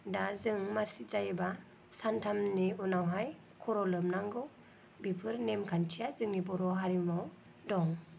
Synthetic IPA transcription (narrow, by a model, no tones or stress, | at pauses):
dazɯŋmaɾsiz̥ajɯba | santʰamniunawɦaj | kʰɔɾɔlɯmnaŋɡɯw | bipʰɯɾnemkʰantʰijazɯŋnibɔɾɔɦaɾimaw | dɔŋ